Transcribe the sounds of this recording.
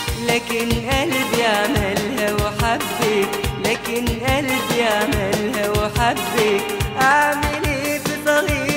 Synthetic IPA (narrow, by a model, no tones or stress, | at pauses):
laːkɪnʔalbjaʕmɪlhawħabːilaːkɪnʔalbjaʕmɪlhawħabːi | ʔaʕmɪlib̪it̪ˤɑɣiː